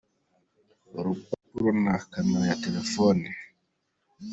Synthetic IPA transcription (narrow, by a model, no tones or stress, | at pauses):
ɔɾuk͡pupuɾɔnakanajatɛlɛfɔni